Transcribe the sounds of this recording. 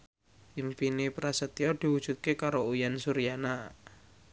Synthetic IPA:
ʔimpinipɾasət̪iɔd̪̥i̤wud̥ʒ̥ṳt̪̚kekaɾoujansuɾijana

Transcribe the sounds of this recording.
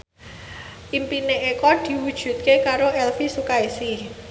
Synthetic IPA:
ʔimpineʔekɔd̪̥i̤wud̥ʒ̥ṳt̪̚kekaɾoʔɛlfisukaisi

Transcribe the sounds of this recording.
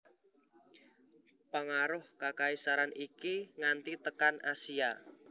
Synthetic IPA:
paŋaɾʊhkakaisaɾanikiŋant̪it̪əkanasia

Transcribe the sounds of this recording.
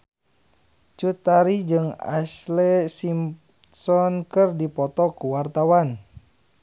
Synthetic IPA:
t͡ʃut̪aɾid͡ʒɨŋa̰slɛsim | sɔnkɨrdipɔt̪ɔkuwart̪awan

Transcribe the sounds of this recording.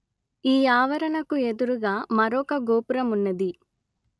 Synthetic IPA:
iːaːʋɐɾɐnɐkue̞d̪uɾuɡaːmɐɾɔːkɐɡoːpuɾɐmunːɐd̪i

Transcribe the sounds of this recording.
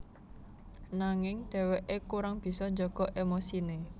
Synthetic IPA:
naŋɪŋɖ̥ɛ̤weʔekuɾaŋb̥i̤sɔɲd͡ʒɔɡ̥ɔ̤ʔemosine

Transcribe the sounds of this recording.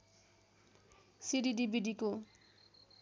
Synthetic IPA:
siɖiɖibiɖiko

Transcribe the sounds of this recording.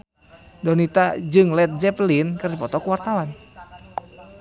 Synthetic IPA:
dɔnit̪ad͡ʒɨŋlɛt̪̚d͡ʒɛplinkɨrdipɔt̪ɔkuwart̪awan

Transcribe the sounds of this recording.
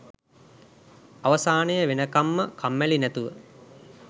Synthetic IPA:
aʋəsaːnəjəʋenəkamːəkʰamːɛlinæt̪uʋə

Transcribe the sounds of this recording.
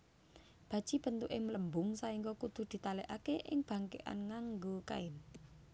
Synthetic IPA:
b̥ä̤d̥ʒ̥i̤b̥ə̤nt̪uʔɪŋmələmbʊŋsaiŋkɔkud̪̥ṳd̪̥i̤t̪alɛʔakeʔɪŋb̥a̤ŋkḛʔa̰nŋaŋɡoka̰ɪn

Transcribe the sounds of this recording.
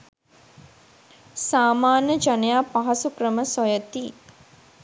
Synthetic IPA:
saːmaːnjəd͡ʒanejaːpaɦɐsukrəməsɔjət̪iː

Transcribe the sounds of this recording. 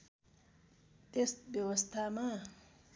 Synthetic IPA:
t̪esbjʌwʌst̪ʰama

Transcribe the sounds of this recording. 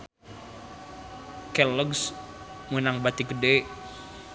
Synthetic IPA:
kɛləɡs | munaŋbat̪ikəde

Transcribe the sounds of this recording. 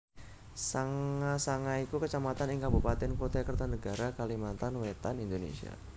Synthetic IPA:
saŋasaŋaikukət͡ʃamat̪anɪŋkabupat̪ɛnkot̪akərt̪anəɡaɾakalimant̪anwet̪anind̪onḛsia̰

